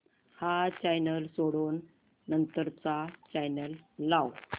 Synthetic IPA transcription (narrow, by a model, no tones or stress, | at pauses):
hat͡ɕajnəlsoɽoːnː | ənt̪əɾt͡sat͡ɕajnəlːaw